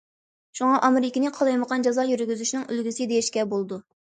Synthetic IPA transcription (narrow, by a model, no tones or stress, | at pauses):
ʃuŋɑʔɑmɪɾɪkʲinɨqʰɑlˠɑjməqɑnd͡ʒɑzɑjyɾɡʲyzyʃnɨŋylɡʲysɪd̪ejiʃkʲɛbolˠd̪u